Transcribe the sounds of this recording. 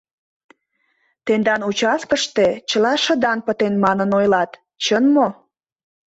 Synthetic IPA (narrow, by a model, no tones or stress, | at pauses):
t̪end̪ɑnut͡ɕɑskəʃt̪et͡ɕəlɑʃə̆d̪ɑnpət̪enmɑnənojlɑt̪ | t͡ɕənmo